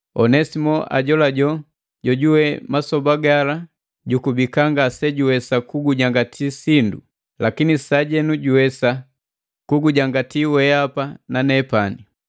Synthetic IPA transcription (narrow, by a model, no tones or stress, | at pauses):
ɔnɛsimɔʔa̰ɟɔlaɟɔ | ɟɔɟuwɛmasɔbaɡala | ɟukubikaŋɡasɛɟuwɛsakuɡuɟaŋɡatʰisindṵ | lakinisaɟɛnuɟuwɛsa | kuɡuɟaŋɡatiwɛapananɛpani